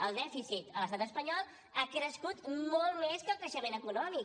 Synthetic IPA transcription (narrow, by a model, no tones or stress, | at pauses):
əlˠd̪ɛfisit̪ələst̪at̪əspəɲɔlˠ | akɾəskut̪mɔlˠmeskəlˠkəʃəmenəkunɔmik